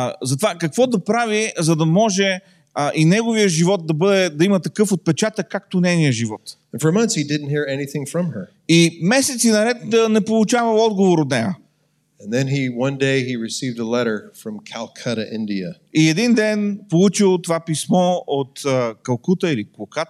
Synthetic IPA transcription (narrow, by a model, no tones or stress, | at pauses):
zɐt̪ovakɐkvɔd̪ɐpɾavizɐd̪ɐmɔʒɛ | ʔinɛɡovijəʒivɔt̪̚d̪ɐbɤd̪ɛd̪ɐimɐt̪ɐkɤfot̪̚pɛt͡ʃat̪əkːak̚t̪onɛniəʒivɔt̪nfə˞mʌ̃nθshidɪdⁿn̩t̚hiɹɛniθɪ̃ŋfɹʌ̃mə˞ | imɛsɛt̪sinɐɾɛt̪nɛpolˠut͡ʃavəɔd̪ɡovoɾot̪nɛjə | ɛ̃nðɨ̃niwʌ̃ndeɪiɹɨsivdəlɛɾə˞fɹʌ̃mkʰælˠkʰɐɾəʔɪ̃ndiə̰ | iɛd̪ind̪ɛnpolˠut͡ʃilˠt̪ovapismɔot̪kɐlˠkut̪əilikˠokat̪